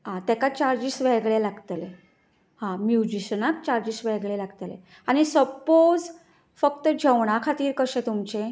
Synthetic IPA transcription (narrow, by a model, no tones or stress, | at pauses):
ɦãt̪ɛkat͡ɕaɾd͡ʑisʋɛɡɭelaɡt̪le | hãmjud͡ʑiɕənak̚t͡ɕaɾd͡ʑisʋɛɡɭelaɡt̪lḛ | añisəpod͡z | fəkt̪əd͡ʑʱəʋɳ̃akʰat̪iːɾkəɕẽt̪umt͡ɕe